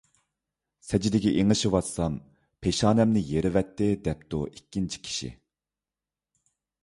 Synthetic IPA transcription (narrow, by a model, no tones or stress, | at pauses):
sɛd͡ʒid̪ɪkʲiʔeŋɨʃiwɑt̪sɑm | pʰeʃɑːnɛmnɪjeɾɪvɛt̪ːɪd̪ɛp̚t̪ṵʔikʲːint͡ʃʰi̥kʲʰi̥ʃḭ